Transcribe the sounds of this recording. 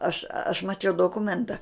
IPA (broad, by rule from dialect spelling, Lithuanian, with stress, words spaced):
ɐʃ ɐʃ mɐˈt͡ʃʲɛʊ doːˈkʊmʲɛntɐ